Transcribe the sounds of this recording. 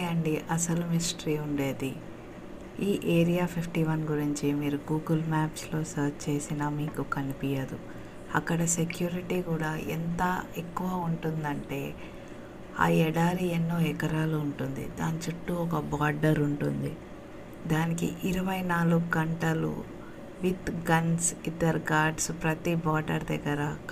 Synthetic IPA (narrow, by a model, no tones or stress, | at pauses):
jɐɳɖiʔɐsɐlumisʈɾiːuɳɖe̞ːd̪i | iːʔeːɾijaːpʰipʰʈiʋɐnɡuɾiɲt͡ʃimiːɾuɡuːɡɐlmaːpslo̞ːsɐɾt͡ʃt͡ʃe̞ːsinɐmiːkukɐnipijɐd̪u | ɐkːɐɽɐse̞kjuːɾiʈiːkuːɽaːʔent̪ɐekːuʋɐːuɳʈund̪ɐɳʈe̞ː | a̰ːɛɽaːɾienːoːɛkɐɾaːluuɳʈund̪ḭd̪aːnit͡ʃuʈːuɔkɐbaːɾɖɐɾuɳʈund̪i | d̪aːnikḭʔiɾɐʋɐjnaːluɡuɡɐɳʈɐlṵ | ʋit̪ɡɐnsid̪ɐɾɡaːɾɖspɾɐt̪ibaːɖɐɾd̪ɛɡːɐɾɐ